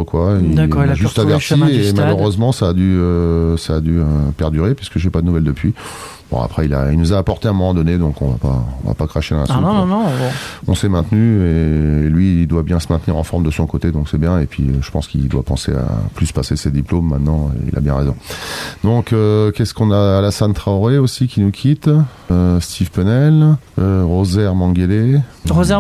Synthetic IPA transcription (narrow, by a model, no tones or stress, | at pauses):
əkwaid̪ʒyst̪avɛʁt̪iemaløʁøzmɑ̃saːd̪yøsaːd̪yøpɛʁd̪yʁepɥiskəʒɛpad̪ənuvɛld̪əpɥi | b̥ɔ̰̃a̰pχɛila̰ilnuzaːpɔʁt̪eɛ̃mɔmɑ̃d̪ɔned̪ɔ̃kɔ̃va̰paɔ̰̃va̰pakχaʃed̪ɑ̃la̰sũ | ɔ̃sɛmɛ̃t̪nyeːlɥild̪wabjɛ̃səmɛ̃t̪niʁɑ̃fɔʁmd̪əsɔ̃kot̪ed̪ɔ̃ksɛbjɛ̃epɥiøʒə̥pɑ̃skild̪wapɑ̃sḛa̰plyspasesed̪iplomːɛ̃t̪nɑ̰̃ḭla̰bjɛ̃ʁezɔ̰̃d̪ɔ̃køkʲɛskɔ̃naːlasɛ̃nt̪χaoʁeosikʲinukʲʰit̪ | st̪ʰivpənɛl | øʁozɛʁmɑ̃ɡeleʁozɛ